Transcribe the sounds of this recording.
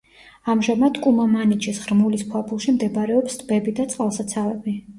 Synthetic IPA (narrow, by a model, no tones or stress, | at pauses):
amʒamad̪kʼumamanit͡ʃʰɛsʁɾmulispʰwabulˠʃimd̪ɛbɾɛɔpst̪ʼbɛbid̪at̪sʼqʼalˠsat̪sʰavɛbi